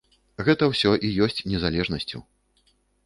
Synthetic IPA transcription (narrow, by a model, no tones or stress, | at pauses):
ɣɛt̪ɐwsʲɔʔijɔsʲt͡sʲnʲɛzalʲɛʐnɐsʲt͡sʲṵ